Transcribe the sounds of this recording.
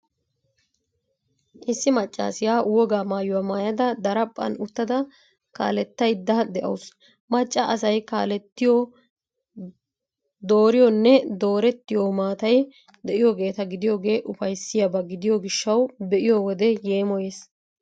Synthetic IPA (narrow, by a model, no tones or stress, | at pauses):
ʔɪsːɪmɐt͡ʃʼːa̰ːsɪjaːwɔɡaːmaːjʊwaːmaːjɐd̪ɐd̪ɐɾɐpʼːɐ̰nʊt̪ːɐd̪ɐ | ka̰ːlɛt̪ːɐjd̪ɐd̪ɛʔɐ̰ws | mɐt͡ʃʼːɐʔɐsɐjka̰ːlɛt̪ːɪjɔ | d̪o̞ːɾɪjɔnːɛd̪o̞ːɾɛt̪ːɪjomaːt̪ɐj | d̪ɛʔɪjɔɡe̞ːt̪ɐɡɪd̪ɪjo̞ːɡe̞ːʔʊfɐjsːɪjɐbɐɡɪd̪ɪjɔɡɪʃːɐwbɛʔɪjɔwɔd̪ɛje̞ːmɔjeːs